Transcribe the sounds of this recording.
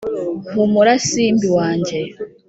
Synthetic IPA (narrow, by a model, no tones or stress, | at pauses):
βumuɾasiːmbiwaːɲd͡ʒe